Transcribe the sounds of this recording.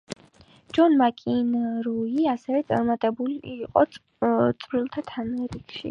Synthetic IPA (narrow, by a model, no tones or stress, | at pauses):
d͡ʒɔnmakʼinɾuiasɛvɛt̪sʼa̰ɾmat̪ʼɛbuliːqʼɔ̰ | t̪sʼvɾilˠt̪ʰat̪ʰamɛɾikʰʃḭ